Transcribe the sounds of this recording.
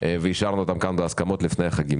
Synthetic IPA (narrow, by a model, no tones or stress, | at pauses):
veiʃaʁnuot̪amkanbeaskamo̞t̪lifnejaχaɡim